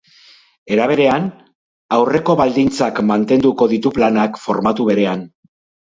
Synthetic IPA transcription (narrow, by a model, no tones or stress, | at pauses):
e̞ɾaβ̞e̞ɾe̞an | awre̞ko̞βald̪int͡sakmant̪e̞nd̪uko̞ðit̪uplanakfo̞ɾmat̪uβ̞e̞ɾe̞an